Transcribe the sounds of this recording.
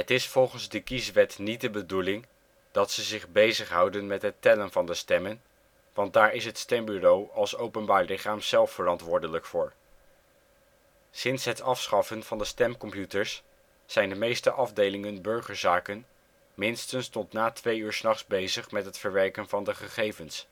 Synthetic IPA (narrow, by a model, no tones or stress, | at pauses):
ɦətɪsfɔlˠχənzdəkisʋɛtnit̚dəbədulɪŋ | d̥ɑtsəzɪχbejzəχɦʌwdənmɛtɦətɛlənvɑndəstɛmən | ʋɑnt̚daːɹɪsɦətstɛmbyrowɑlˠsowpənbaːɹlɪχaːmz̥ɛlˠfːərɑntʋʊːɹdələkfʊːɹ | sɪnsɦətɑfsχɑfənv̥ɑndəstɛmkɔmpjutəɹsː | ɛjndəmejstəʔɑvdejlɪŋənbøɹχəɹzaːkən | mɪnstənstɔtnaːtʋejyːɹsnɑχzbejzəχmɛtɦətfəɹʋɛɹkənvɑndəχəχejvəns